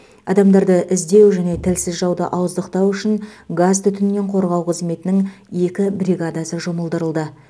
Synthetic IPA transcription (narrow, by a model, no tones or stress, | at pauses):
ɑ̰d̪ɑmd̪ɑɾd̪əʔɪzd̪e̞wʒæne̞t̪ʰɪlsɪzʒɑwd̪ə̰ʔɑwəzd̪əqt̪ɑwʏʃɪŋɡazt̪ʰʏt̪ɪnme̞ɴqʰo̞ɾʁɑwqʰəzme̞t̪ɪnɪŋ | je̞kʲɪbɾʲiɡad̪asəʒo̞məlˠd̪əɾəlˠd̪ə